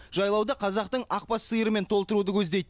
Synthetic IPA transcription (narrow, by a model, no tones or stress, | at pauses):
ʒɑjlˠɑwd̪ɑqʰɑzɑq̚t̪əɴɑq̚pɑsːɨjəɾəme̞nt̪ʰo̞lˠt̪əɾud̪əkʲʰɵzd̪e̞jt̪